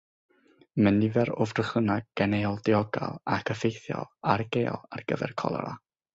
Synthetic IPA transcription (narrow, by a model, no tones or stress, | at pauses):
mənivɛɾʊvrəχənaɡ̚ɡ̥ɛnejɔlˠdɪɔɡa̰lˠakʰəfejθjɔ̰lˠarɡeːɔ̰lˠarɡ̥əvɛ̰rkʰɔ̰lˠa̰ɾa̰